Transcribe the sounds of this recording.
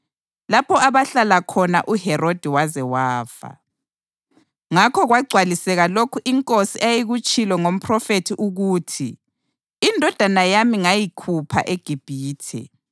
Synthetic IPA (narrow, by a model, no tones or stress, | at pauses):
lapʰɔaβaɬalakʰɔna̰ʔuhɛrod̥ʱiwazɛwaːfa̰ | ŋakʰɔɣwaɡ͡ǀʱwalisɛɣalokʰuʔiŋkʼosiʔejiɣut͡ʃʼilwɛŋom̩pʰrɔfetʰiʔuɣutʰi | indʱɔd̥ʱanajamiŋajikʰupʰa̰ʔeɡ̥ʱib̥ʱiːtʰɛ̰